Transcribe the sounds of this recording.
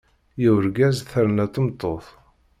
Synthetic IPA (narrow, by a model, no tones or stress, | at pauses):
jiwɾɡæzθəɾnæt̪ˤːəmt̪ˤːoθ